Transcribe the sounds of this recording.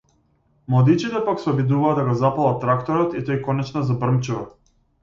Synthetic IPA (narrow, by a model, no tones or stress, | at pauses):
mlˠad̪it͡ʃit̪ɛpaksɛɔbid̪uvaːd̪aɡɔzapalˠat̪ːɾakt̪ɔɾɔt̪it̪ɔjkɔnɛt͡ʃnazabr̩mt͡ʃuva